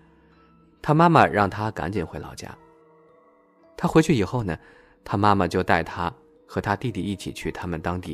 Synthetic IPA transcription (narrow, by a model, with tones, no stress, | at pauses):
t̪ʰa˥ma˥mə˨ɻɑ˥˩ŋt̪ʰa˥ka̰˧˥nt͡ɕi˨˩nxe˧˥ɪlɑ̰˨˩ʊt͡ɕja̰˥ | t̪ʰa˥xwe˧˥ɪt͡ɕʰy˥˩i˨˩xo˥˩ʊnə˩ | t̪ʰa˥ma˥mə˨t͡ɕjo˥˧ʊt̪a˥˩ɪt̪ʰa˥ | xɤ˧˥t̪ʰa˥t̪i˥˧t̪i˥˧i˥˩t͡ɕʰḭ˨˩t͡ɕʰy˥˩t̪ʰa˥mə˨nt̪ɑ˥ŋt̪i˥˩